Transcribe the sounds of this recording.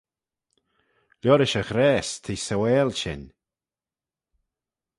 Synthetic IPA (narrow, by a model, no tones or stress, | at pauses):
ljɔɾɪʃəxɾɛːst̪ʰiːsəwɛːlʃɪ̰n